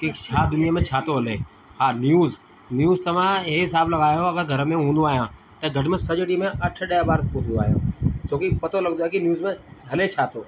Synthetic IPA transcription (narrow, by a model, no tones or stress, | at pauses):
kekt͡ɕʰaːd̪ʊnijəmẽt͡ɕʰaːt̪oɦɐle | haːnjuːz | njuːzt̪ɐʋ̤ãɦeɦɪsaːblɐɡaːjoɐɡəɡʱɐɾəmẽɦũːnd̪oaːɦijãː | t̪ɐɡʱɐʈɪmẽsɐd͡ʑɽimẽʔɐʈʰɗejabaːɾt̪pot̪ʰnd̪oaːɦijo̰ːt͡ʃʰoːkipɐt̪olɐɡnd̪aːkinjuːzmẽɦɐlet͡ɕʰaːt̪oː